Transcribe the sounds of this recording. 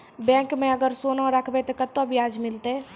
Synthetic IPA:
bɛ̃kmẽəɡəɾsonaɾəkʰbɛt̪ɔkət̪ːobijad͡ʒmɪlt̪e

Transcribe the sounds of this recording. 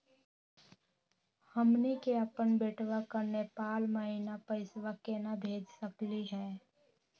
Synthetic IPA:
həmnikeəpənbeːʈʰʋakəɾnepaːlməɦinapəɪswakenabʱeːd͡ʒsəkliɦɛː

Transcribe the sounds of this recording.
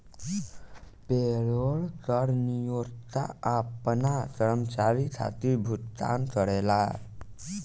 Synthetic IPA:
peɭoɭkəɾnijoɾt̪a̰apnat̪əɾəmt͡ʃaɾikʰa̰t̪ibʱut̪t̪a̰nt̪əɽela

